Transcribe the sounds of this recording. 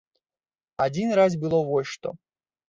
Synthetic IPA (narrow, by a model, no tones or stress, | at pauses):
ad͡zʲinraz̬bɨlˠɔvɔjʲʂt̪ɔ̰